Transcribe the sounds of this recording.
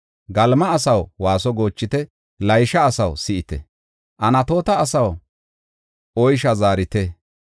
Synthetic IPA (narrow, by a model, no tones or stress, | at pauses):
ɡɐlmɐːsɐwwaːsɔɡo̞ːt͡ʃːɪt̪ɛ | lɐjʃɐːsɐwsɪʔɪt̪ɛ̰ | ʔɐnɐt̪o̞ːt̪ɐːsɐw | ɔjʃɐzaːɾɪt̪ɛ